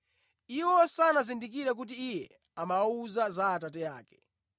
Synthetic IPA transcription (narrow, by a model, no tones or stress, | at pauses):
iwɔsanazindik̬iɾak̬ut̬iːjɛ̰ | amauzazaːtatɛjaːkɛ̥